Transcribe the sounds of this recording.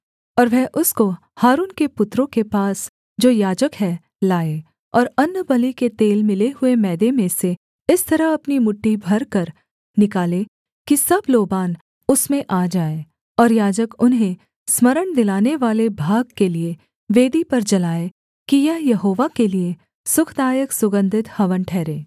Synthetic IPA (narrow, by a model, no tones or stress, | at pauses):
ɔːɾʋɛːʔʊsko | haːɾuːnkepʊt̪ɾõkepaːs | d͡ʒoːjaːd͡ʒəkɦɛː | laːe | ɔːɾɐnːbɐliket̪eːlmɪleɦʊemɛːd̪emẽse | ɪst̪ɐɾəɦɐpnimʊʈːibʱɐɾkɐɾ | nɪkaːle | kisɐbloːbaːn | ʊsmẽʔaːd͡ʒaːe | ɔːɾjaːd͡ʒəkʊnɦẽ | smɐɾəɳd̪ɪlaːneʋaːlebʱaːɡ̚kelie | ʋeːd̪ipɐɾd͡ʒɐlaːe | kijɐɦjɐɦoːʋakelie | sʊkʰd̪aːjəksʊɡə̃nd̪ʱɪt̪hɐʋənʈʰɛːɾẽː